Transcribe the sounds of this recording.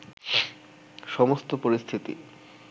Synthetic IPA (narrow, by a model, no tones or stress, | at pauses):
ʃɔmost̪opoɾist̪ʰit̪ḭ